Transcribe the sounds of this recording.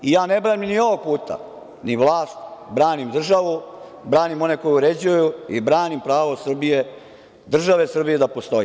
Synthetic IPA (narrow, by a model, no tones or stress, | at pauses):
ijaːne̞bɾaniminio̞ʋoɡ̚puːt̪a̰ | niʋlˠaːst̪bɾaːnimd̪r̩ʒaʋu | bɾaːnimo̞ne̞ko̞juuɾe̞d͡ʑujuibɾaːnimpɾaːʋo̞sr̩bije | d̪r̩ʒaʋe̞sr̩bije̞d̪apo̞st̪o̞je